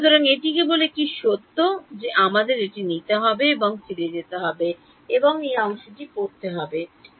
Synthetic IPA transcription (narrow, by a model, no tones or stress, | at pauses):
ʃut̪oɾaŋeʈikebolekiʃod̪ʱːod͡ʑeʔamad̪eɾeʈinit̪eɦɔbeeboŋsʰilied͡ʑet̪eɦɔbe | eboŋejɔŋʃoʈipoɾt̪eɦɔbe